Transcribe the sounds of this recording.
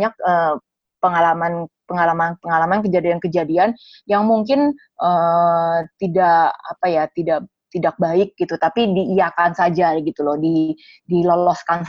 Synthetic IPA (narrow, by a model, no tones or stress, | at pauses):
ɲak̚ə | pəŋalamanpəŋalamanpəŋalamankəd͡ʒadiankəd͡ʒadian | jaŋmuŋkɪn | ʔə | t̪idaʔa̰pajat̪idaʔ | t̪idak̚baɪk̚ɡit̪ut̪apidiːjakansad͡ʒaɡit̪ulɔhdi | dilolɔskans